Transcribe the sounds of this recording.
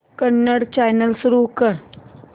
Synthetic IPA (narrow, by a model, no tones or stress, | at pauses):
kəɳːəɽt͡ɕajnəlsuɾukəɾ